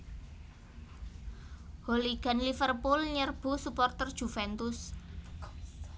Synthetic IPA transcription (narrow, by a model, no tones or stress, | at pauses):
holiɡ̥a̤nlifərpulɲərb̥ṳsupɔrt̪ərd̥ʒ̥ṳfɛnt̪ʊs